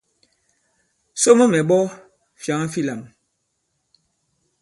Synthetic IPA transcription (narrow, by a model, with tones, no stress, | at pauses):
so˦mə˦mɛ˨ɓɔ˦ | fja˨ŋa˦fi˦la˨m